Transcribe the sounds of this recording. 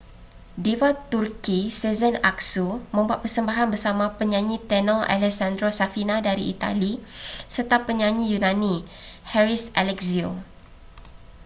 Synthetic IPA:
divat̪urkisɛzənaksumə̃mbuat̪̚pərsəmbaɦanbərsamãpəɲãɲĩt̪ɛnɔa̰lɛsandɾosafinãdaɾiḭt̪a̰lisərt̪apəɲãɲĩjunãnĩhɛɾisʔalɛkzio̰

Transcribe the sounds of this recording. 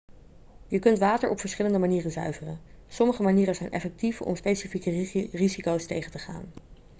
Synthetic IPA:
jəkɵntʋaːtəɹɔpfəɹsχɪləndəmaniːrənzœ̰ɥvərəsɔməχəmaniːɾənzɛjnʔɛ̰fɛk̚tifɔ̰mspejsifikərizikowstejχəntəχa̰ːn

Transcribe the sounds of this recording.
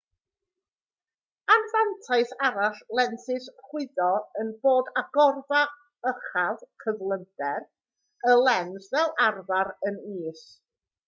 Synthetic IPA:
anvantʰaɨθaɾaɬlˠɛnθɨsχwɪðɔənboːdaɡɔrða | əχavkʰəvlˠəndɛr | əlˠɛnsvɛlˠarvaɾəniːs

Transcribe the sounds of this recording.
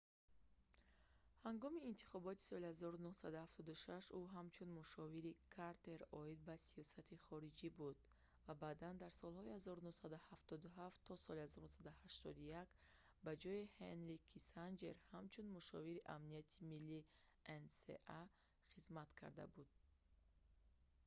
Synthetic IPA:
haŋɡɔmiːnt̪ʰi̥χɔbɔt̪i̥sɔlihazɔɾunuhsad̪uhaft̪ʰɔd̪uʃaʃuɦamt͡ʃʰunmuʃɔviɾikʰaɾt̪ʰe̞ɾɔid̪̚basijɔsat̪ʰiχɔɾid͡ʒibud̪̥ | vabad̪and̪aɾsɔlˠhɔihazɔɾunuhsad̪uhaft̪ɔd̪uɦaft̪ʰːɔsɔlihazɔɾnusad̪uhaʃt̪ɔd̪ujak | bad͡ʒɔihenɾikʰisand͡ʒe̞̰ɾhamt͡ʃʰunmuʃɔ̰viɾiʔamnijat̪ʰimilːi | ʔensḛʔa | χizmat̪kʰa̰ɾd̪a̰bud̪̥̚

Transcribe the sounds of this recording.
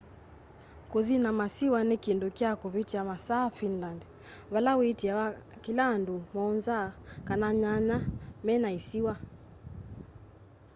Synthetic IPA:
kuðinamasiwanikindukiakuβitiamasaːfinlandɛ | βalawitiakilaːndumɔnzakanaɲaɲamɛnaisiwa

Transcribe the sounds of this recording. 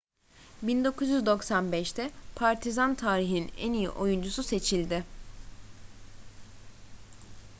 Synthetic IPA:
bind̪o̞kʰuzjyzd̪o̞ksanbɛʃt̪ʰɛpʰaɾt̪ʰizant̪ʰaːɾiɦininɛ̰nijḭʔo̞jund͡ʒususe̞t͡ʃʰilʲd̪ɪ

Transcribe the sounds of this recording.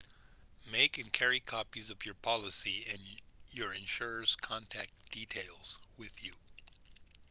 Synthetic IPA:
meɪkɨ̃nkʰɛɹikʰɑpizʌvjə˞pʰɑlˠəsiɨ̃njə˞ɨ̃nʃʊɹəskʰɑ̃ntʰæk̚d̥itʰeɪlˠz̥wɪðju

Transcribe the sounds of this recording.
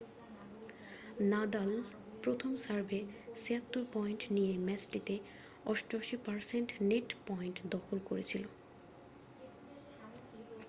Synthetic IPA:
nad̪al | pɾot̪ʰomsaɾbʱeseat̪ːuɾpɔjnʈnijemɛsʈit̪e | ɔʃʈoʃipaɾseɳʈneʈpɔjnʈd̪ɔxʰolkoɾet͡ɕʰilo

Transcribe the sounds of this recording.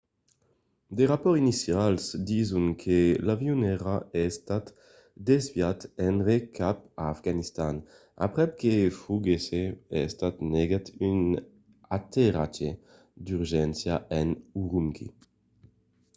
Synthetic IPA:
d̪eʁapɔʁinisjalsd̪izuŋkʰelavjunɛʁaɛst̪at̪ | d̪ezvjat̪ɛnʁekʰap̚aːfɡanist̪an | a̰pʁɛp̚kefuɡeseɛst̪at̪neɡat̪yn | at̪eʁat͡ʃe | d̪yʁʒɛnsjaɛnuʁuŋkḭ

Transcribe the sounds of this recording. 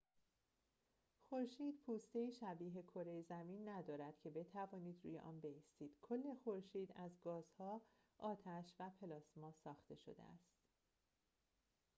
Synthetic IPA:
xo̞ɾʃiːd̪̥pʰuːst̪e̞iːʃæbiːɦe̞kʰo̞ɾejezæmiːnːæd̪ɒːɾæd̪̥cʰe̞be̞t̪ʰævɒːniːd̪ɾṵːje̞̰ʔɒːnbe̞jiːst̪iːd̪̥kʰo̞lːe̞xo̞ɾʃiːd̪æzɡɒːz̥hɒː | ʔɒːt̪ʰæʃvæpʰe̞lɒːsmɒːsɒːxt̪e̞ʃo̞̰d̪ḛæ̰st̪

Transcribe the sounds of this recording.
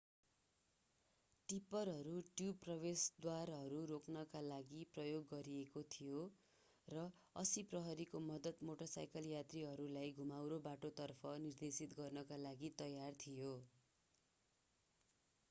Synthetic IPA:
ʈipʌrɦʌɾuʈjuprʌβesd̪waɾɦʌɾuɾoknʌkalaɡiprʌjoɡːʌɾiekot̪ʰijo | rʌʌsiprʌɦʌɾikomʌd̪ʌt̪moʈʌsa̰jkʌljat̪riɦʌɾulajɡʱumawɾobaʈot̪ʌrpʰʌnird̪esit̪ɡʌrnʌkalaɡit̪ʌjart̪ʰijo

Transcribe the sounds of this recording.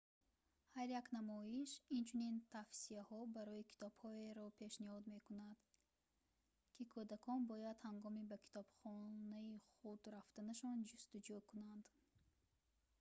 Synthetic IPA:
haɾjaknamɔiʃint͡ʃʰunint̪ʰafsiahɔbaɾɔikʰi̥t̪ɔb̥hɔeɾɔpʰe̞ʃnihɔd̪me̞kunad̪ | kʰikʰɔd̪akʰɔnbɔjad̪haŋɡɔmibakʰi̥t̪ʰɔb̥χɔnaiχud̪ɾaft̪anaʃɔnd͡ʒust̪ud͡ʒukʰunand̪

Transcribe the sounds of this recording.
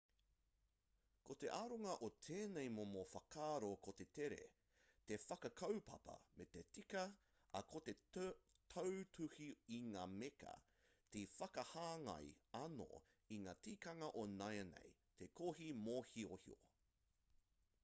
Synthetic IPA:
ko̞t̪e̞ʔaːɾoŋɐʔot̪ʰeːnejmomofɐkʰaːɾokot̪e̞t̪eɾe̞̰ | t̪e̞fɐkɐkʰɐwpɐ̰pɐ̰met̪etikɐ | ɐ̰kʰo̞t̪e̞tʰɐwtʰʉhiiŋaːmekʰɐ̰ | tifɐkɐhaːŋɐ̰jɐno̰ | iŋaːtiːkɐŋɐʔonɐjɐnḛjt̪ʰekʰoɦimohiohḭo̰

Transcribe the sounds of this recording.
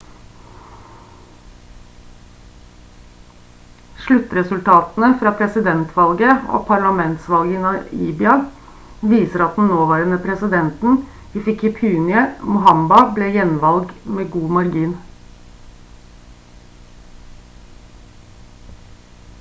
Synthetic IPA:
ʃɭʉt̪ːɾɛsʉlt̪ʰɑːt̪n̩əfɾɑːpʰɾɛsɪd̪ɛnt̪ʰʋɑlɡəo̰ːpʰɑɭɑmɛnt̪sʋɑlɡənɑḭːbɪɑ | ʋiːsəɾɑt̪̚d̪n̩noːʋæːɾənəpʰɾɛsɪd̪ɛnt̪n̩ | iːfɪkɪpʰʉːnɪəmʊɦɑmbɑbleːjɛnʋɑlɡmeːɡuːmɑɾɡiːn

